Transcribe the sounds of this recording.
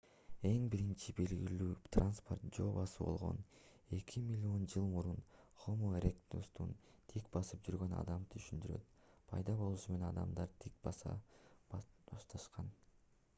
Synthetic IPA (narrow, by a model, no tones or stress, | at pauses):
e̞ŋbiɾint͡ʃibe̞lɡilyːt̪ranspo̞rt̪̚d͡ʒo̞ːβɑsɯbo̞̰lˠʁo̞̰n | e̞kʰimʲilʲːio̞nd͡ʒɯlˠmuɾunχomoɾʲekt̪ṵst̪ṵnt̪ʰikbɑsɯp̚d͡ʒyɾɡø̞nɑ̰d̪ɑmt̪ʰyʃynd̪yɾø̞̰t̪pʰɑjd̪ɑβo̞lˠuʃume̞nenɑd̪ɑ̰md̪ɑɾt̪ʰik̚bɑsɑ̰bɑʃt̪ɑʃqɑn